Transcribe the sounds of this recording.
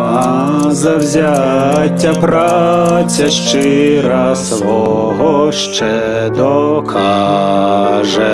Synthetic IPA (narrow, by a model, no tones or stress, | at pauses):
a | zɐwzʲat͡sʲːɐpɾat͡sʲɐʂt͡ʂɨɾasʋɔ | ɦɔʂt͡ʂɛ | d̪ɔkʰa | ʐɛ